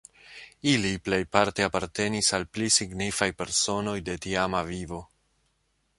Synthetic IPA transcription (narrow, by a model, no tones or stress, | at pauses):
iliple̞jpaɾte̞apaɾte̞nisalplisiɡnifajpe̞ɾso̞no̞jde̞tiamavivo̞